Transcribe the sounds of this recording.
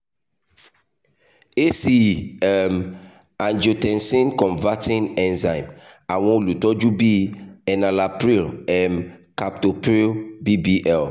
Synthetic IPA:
e˦si˦ɛ˨m | ã˨nd͡ʒo˨tɛ̃˨nsĩ˦nkɔ̃˨nva˦tĩ˦nɛ̃˦˨nzã˨ɪ̃m | a˨wɔ̃˦˨lu˨tɔ˦d͡ʒu˦bi˦ɛ˨na˨la˨pɾi˦lɛ˨mka˨p̚to˨pɾi˦lbi˦bi˦ʔɛ˦˨l

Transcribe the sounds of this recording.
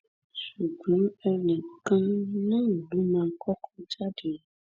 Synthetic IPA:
su˨ɡlũ˨˦mɛ˦nɛ̃˨kã˦nnã˦˨bu˦mã˨kʰɔ˦kʰɔ˦d͡ʒa˦ɖe˨o˨

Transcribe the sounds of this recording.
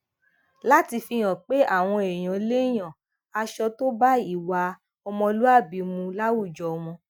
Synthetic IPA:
la˦ti˧fi˧j̃ã˨k͡pe˦a˦˨w̃ɔ̃˧e˨j̃ã˨le˦j̃ã˨ | a˧ʃɔ˧to˦ba˦i˦˨wa˧˦ | ɔ˧mɔ̃˧lu˦a˦˨bi˨˦mũ˧la˦wu˦˨d͡ʒɔ˨ɔ˧w̃ɔ̃˧

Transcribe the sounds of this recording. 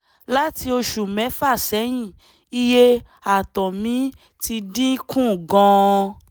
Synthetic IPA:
la˦ti˧o˧ʃu˨mɛ̃˨˦fa˦˨sɛ˨˦j̃ĩ˦˨ | i˧je˦ | a˨tɔ˨mĩ˨˦ | ti˧dĩ˦kũ˦˨ɡɔ̃˧

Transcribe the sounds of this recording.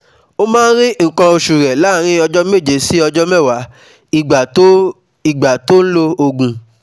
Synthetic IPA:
o˦mãː˦n˦ɾĩ˦ŋ̩˨kɔ̃˧o˧ʃu˨ɾɛ˨la˦˨ɾ̃ĩ˦ɔ˧d͡ʒɔ˦me˦˨d͡ʒe˨˦si˦ɔ˧d͡ʒɔ˦mɛ˦˨wa˨˦ | i˨ɡ͡ba˨˦ | i˨ɡ͡ba˨to˦n̩˦lo˦o˧ɡũ˧

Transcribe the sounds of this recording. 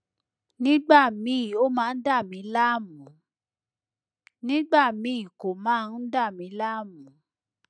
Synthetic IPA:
nĩ˦ɡ͡ba˦˨mĩ˨˦˨o˦mãː˦˧n̩˦da˦˨mĩ˨˧˦la˦˨mũ˨˦ | nĩ˦ɡ͡ba˦˨mĩ˨˦˨ko˨mãː˨˦˧n̩˦da˦˨mĩ˨˦la˦˨mũ˨˦

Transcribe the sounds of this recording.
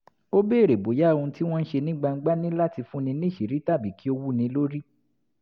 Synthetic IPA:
o˦be˦˨ɾe˨bo˨˦ja˨˦˧ũ˧˦ti˦w̃ɔ̃˦n̩˦ʃe˧nĩ˦ɡ͡ba˧ŋ̩˦ɡ͡ba˦nĩ˦la˦ti˧fũ˦nĩ˧˦nĩ˦˨ʃi˨ɾi˨˦ta˦˨bi˨ki˨˦o˦wu˦˨nĩ˧˦lo˦ɾi˦

